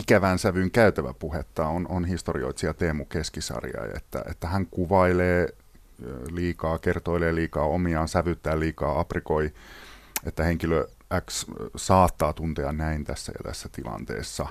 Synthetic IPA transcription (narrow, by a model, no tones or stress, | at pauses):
ikæʋænsæʋyŋkæyt̪æʋæ̰puhet̪ːɑononhist̪orio̰it̪siɑt̪eːmukeskisɑ̰rjɑ̰iḛt̪ːæ̰ʔḛt̪ːæhæŋkuʋɑileː | liːkɑːkert̪oileːliːkɑːomiɑːnsæʋyt̪ːæːlliːkɑːɑprikoi | et̪ːæheŋkilø | ʔækssɑːt̪ːɑːt̪unt̪eɑnnæint̪æsːæ̰jɑ̰t̪æ̰sːæt̪ilɑ̰nt̪ḛːsːɑ